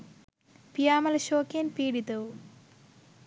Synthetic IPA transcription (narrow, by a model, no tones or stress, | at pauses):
pijaːmɐlɐɕoːkenpiːɽit̪ɐwu